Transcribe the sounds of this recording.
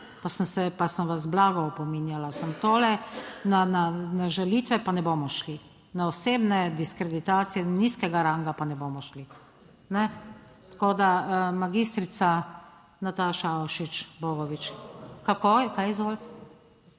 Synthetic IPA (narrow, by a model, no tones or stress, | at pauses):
pasənsɛpasənʋazblaːɡɔɔpɔminjalasəmt̪oːlɛnananaʒalit̪ʋɛpanɛboːmɔʃli | naɔseːbnɛd̪iskɾɛd̪it̪aːt̪sijɛniskɛɡaɾaŋɡapanɛboːmɔʃli | nɛ | t̪koːd̪amaɡist̪ɾit̪sa | nat̪aːʃaɔʃit͡ʃboɡɔʋit͡ʃkakojɛkaːjzɡol